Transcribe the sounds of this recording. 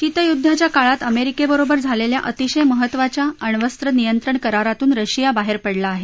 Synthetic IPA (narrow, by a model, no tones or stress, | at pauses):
t͡ɕit̪əjud̪ʱːat͡ɕjakaɭat̪əmeɾikebəɾobəɾd͡zʱalelja̰ʔət̪iɕəjməɦət̪ːʋat͡ɕjaəɳʋəst̪ɾənijənt̪ɾəɳkəɾaɾat̪uːnɾəɕijabaɦeɾpəɽlaːɦe